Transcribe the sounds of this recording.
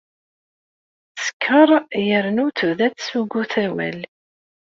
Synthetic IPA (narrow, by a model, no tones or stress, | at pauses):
sə̥kʰːəɾˤjəɾnuθəvðæt̪ːsuɡuθæwæ̰l